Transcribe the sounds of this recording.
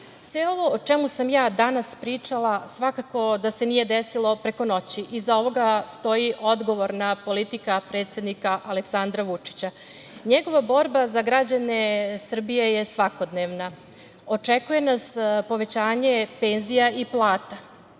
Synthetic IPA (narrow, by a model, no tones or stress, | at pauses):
sʋeo̞ʋo̞ot͡ʃemusamjaːd̪anaspɾiːt͡ʂalˠasʋakako̞d̪ase̞nije̞d̪esilˠo̞pɾeko̞no̞t͡ɕiʔizao̞ʋo̞ɡast̪o̞iʔo̞d̪ɡo̞ʋo̞ɾnapo̞lit̪ikapɾet̪sjed̪nikaʔale̞ksand̪ɾaʋut͡ʂi̥t͡ɕa | ɲeɡo̞ʋabo̞ɾbazaɡɾad͡ʑanesr̩bije̞jesʋako̞d̪neʋna | o̞t͡ʂekuje̞naspo̞ʋe̞t͡ɕaːɲe̞pe̞nzijaiplˠaːt̪a